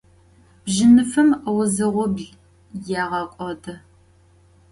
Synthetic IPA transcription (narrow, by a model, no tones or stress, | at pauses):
b̥ʒɪnɨfɨmwʊzɨʁʷɔbɮ | jaːʁɐkʷʼɔdʰɐ